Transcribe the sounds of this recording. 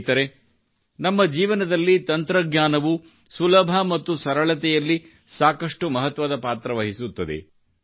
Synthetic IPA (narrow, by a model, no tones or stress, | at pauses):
t̪ɐɾe | nɐmːɐd͡ʒiːʋɐnɐd̪ɐlːit̪ɐnt̪ɾɐɡɲaːnɐʋu | sulɐbʱɐmɐt̪ːusɐɾɐɭɐt̪ɛjɐlːi | saːkɐʂʈumɐɦɐt̪ʋɐd̪ɐpaːt̪ɾɐʋɐɦisut̪ːɐd̪ḛ